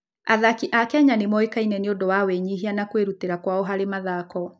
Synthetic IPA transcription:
aðakiʔakɛɲanemɔekainɛneodɔwawɛɲiɦianakweɾuteɾakwaoɦaɾemaðaːkɔ

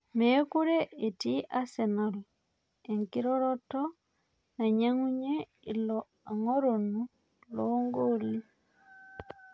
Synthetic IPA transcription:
mekuɾeetiʔasɛnal | eŋkiɾɔɾɔtɔ | naɲaŋuɲe | ilɔ | aŋoɾonu | lɔŋɡoɾi

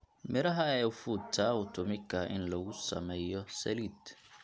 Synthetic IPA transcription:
mɪɾaɦaɛufutʰːaʊtʊmikaɪ̰nlɔɡusɐ̰mɛjɔsɐ̰lit̪

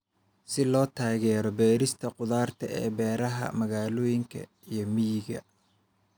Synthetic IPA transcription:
sɪlɔːt̪ʰaːɣɛːɾɔbɛːɾɪst̪ʰɐqʊðaːrt̪ʰɐʔɛːbɛːɾɐɦɐ̰mɐɣaːlɔːjɪŋkʰɐ̰ | ijɞmijɪɣɐ̰

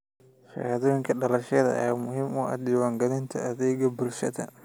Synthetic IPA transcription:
ʃɐ̰jɐðɔːjɪŋkʰɐɖɐlɐʃɐðɐ̰jːmʊɦiːmʊʔɐ̰d̪iwaːŋɡɐlɪnt̪ʰɐʔɐðɛːɡɐbʊlʃɐðɐ̰

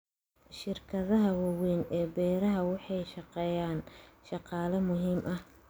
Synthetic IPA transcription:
ʃɪrkʰɐðɐɦɐwɑwɛjnɛːbɛːɾɐɦɐwɑħɑjʃɑqɛːjaːnʃɑqɑːlɐmʊɦiːmʔɐh

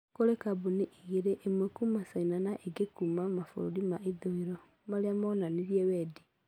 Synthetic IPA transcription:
koɾekaboneʔiɣeɾeʔemwɛkumasainanaʔeɡekumamafo̰ɾoɾimaʔeðoeɾɔ | maɾeamɔnaneɾiɛwɛːdi

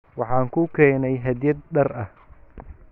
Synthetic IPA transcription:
wɑħɑːŋkʰʊkʰɛːnɛjɦɐd̪jɐd̪̚ɖɐrɐh

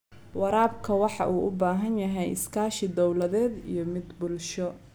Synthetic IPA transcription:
wɑɾaːbkʰɐwɑħɑ̰ʔuːʔʊbaːɦɐnjɐɦɛjɪ̰skʰaːʃɪd̪ɔwlɐðɛːd̪ḭjɞmɪd̪bʊlʃɔ

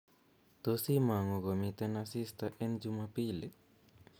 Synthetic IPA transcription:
t̪osimaŋoɡomit̪enasist̪aʔend͡ʒumapiːle

